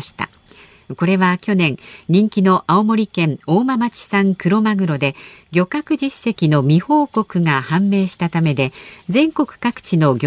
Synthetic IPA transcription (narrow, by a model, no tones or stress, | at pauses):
ɕi̥t̪a̰ | ko̞ɾe̞βakʲo̞nẽ̞ŋɲĩŋkʲino̞ʔao̞mo̞ɾʲikẽ̞ɴo̞ːmamat͡ɕi̥sãŋkɯ̟ɾo̞maɡɯ̟ɾo̞d̪e̞ɡʲo̞kakɯ̟d͡ʑisːe̞kʲino̞mʲiho̞ːko̞kɯ̟ŋahãmːe̞ːɕi̥t̪at̪ame̞d̪e̞d͡zẽ̞ŋko̞kɯ̟̥kakɯ̟̥t͡ɕino̞ɡʲ